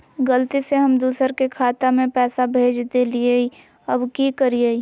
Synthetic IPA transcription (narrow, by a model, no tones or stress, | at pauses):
ɡɐlt̪iseɦɐmd̪uːsəɾkekʰaːt̪amẽpɛːsabʱeːd͡ʒd̪eliei | ɐbkikəɾii